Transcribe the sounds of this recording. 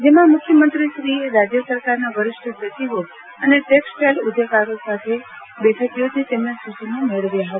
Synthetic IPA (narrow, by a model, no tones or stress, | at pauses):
d͡ʒemãmʊkʰjəmənt̪ɾiʃɾieɾad͡ʒjəsəɾkaɾnaʋəɾɪʃʈʰəbjət̪iʋo | əneʈeksʈelʊd̪ʱəkaɾosat̪ʰe | beʈʰət̪ijot͡ʃʰet̪emnasut͡ʃinõmeɭʋjaɦə